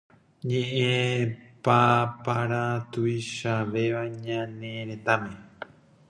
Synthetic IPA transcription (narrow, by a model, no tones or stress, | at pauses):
ɲẽʔẽpapaɾat̪uiʃaʋe̞ʋaɲãnẽɾẽ̞t̪amẽ